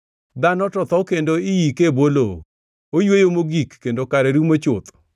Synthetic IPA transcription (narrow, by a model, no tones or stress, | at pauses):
d̪anɔtɔt̪ɔkendoɪjikebolo | ojwejomoɡikːendokaɾɛɾumot͡ʃʊt̪